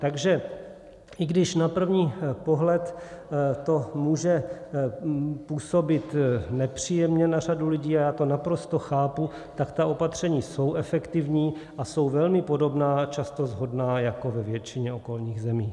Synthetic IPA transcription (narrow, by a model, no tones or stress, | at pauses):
t̪aɡʒɛ | ʔɪɡdɪʃnapr̩vɲiːpoɦlɛt̪ | t̪o̞muːʒɛ | puːso̞bɪt̪nɛpr̝̥iːjɛmɲɛnar̝adulɪɟiːajaːt̪o̞napɾo̞st̪o̞xaːpu | t̪akt̪aʔo̞pat̪r̝̥ɛɲiːso̞wɛfɛkt̪ɪvɲiːʔaso̞wvɛlmɪpo̞do̞bnaːt͡ʃast̪o̞zɦo̞dnaːjako̞vɛvjɛt͡ʃɪɲɛo̞ko̞lɲiːɣzɛmiː